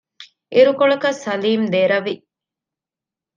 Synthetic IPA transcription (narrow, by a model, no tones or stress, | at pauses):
iɾukoɭɐkɐsɐliːmd̪eːɾɐʋi